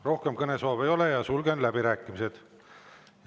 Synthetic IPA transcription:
ro̞hke̞mkɤne̞soːve̞jo̞lejɑsulɡenlæbiɾæːkːˑimise̞d̪̥

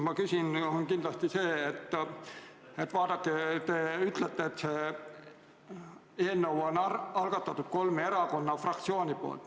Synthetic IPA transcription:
mɑkysʲinonkind̪lɑst̪ise̞ːet̪ː | et̪ːvɑːd̪̥ɑkːet̪e̞yt̪let̪ːeːt̪seː | e̞ːnːowo̞nɑlɡ̥ɑt̪ːˑɑt̪ːˑut̪̚ko̞lmeeɾɑko̞nːɑfrɑkt̪sioːnʲipo̞̰ːlt̪

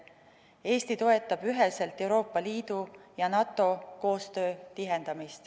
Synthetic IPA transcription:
e̞ːst̪it̪o̞e̞t̪ːˑɑb̥yɦe̞se̞lt̪ˑe̞uwɾo̞ːpːˑɑliːd̪̥ujɑnɑt̪ːˑo̞ko̞ːst̪ø̞ːt̪iɦe̞nd̪̥ɑmist̪

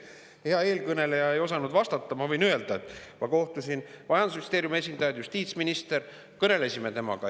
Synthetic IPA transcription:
heɑeːlkɤne̞le̞jɑe̞jo̞sɑnud̪vɑst̪ɑt̪ːɑmɑvɤjnyeld̪̥ɑet̪ːˑmɑko̞ht̪usinmɑjɑnd̪usmist̪eːɾjume̞s̬ʲind̪̥ɑjɑd̪just̪iːt̪sminʲist̪e̞ɾ | kɤne̞le̞sʲime̞t̪e̞mɑ̰ɡ̥ɑ

